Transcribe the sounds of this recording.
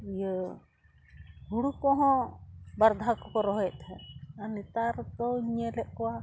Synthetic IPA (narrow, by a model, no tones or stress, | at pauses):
ijə | ɦuɽukɔ̃ɦɔ̃baɾd̪ʱakɔkɔɾɔɦɔɛt̪ɦɛanit̪aɾd̪ɔɲɛlɛʔ̚ˀkɔwa